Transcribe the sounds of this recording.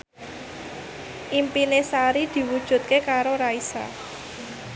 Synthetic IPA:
ʔimpinesaɾid̪̥i̤wud̥ʒ̥ṳt̪̚kekaɾoɾaisa̰

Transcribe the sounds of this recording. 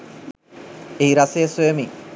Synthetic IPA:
eiɾasesemi

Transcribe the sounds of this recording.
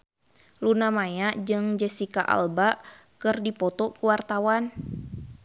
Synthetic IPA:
lunamajad͡ʒɨŋd͡ʒɛsikaʔa̰lba | kɨrdipɔt̪ɔkuwart̪awan

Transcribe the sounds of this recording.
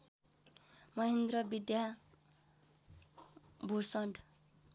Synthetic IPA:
mʌɦend̪rʌbid̪ja | bʱursʌɳɖ

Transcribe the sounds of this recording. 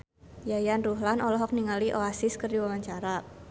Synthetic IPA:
jajanruɦlanʔɔlɔɦɔk̚niŋaliʔoasɪskərdiwawaɲt͡ʃaɾa

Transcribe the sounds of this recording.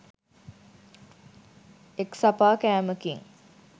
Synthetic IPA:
eksapaːkæːməkiŋ

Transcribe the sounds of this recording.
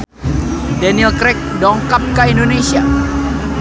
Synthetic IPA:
daniɛlkɾɛk̚dɔŋkap̚kaindonesia

